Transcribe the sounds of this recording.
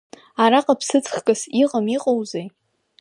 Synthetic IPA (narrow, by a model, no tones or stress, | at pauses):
aɾaqʼapʰsɨt͡sʰʼχkʼɨsiqʼamiqʼowzej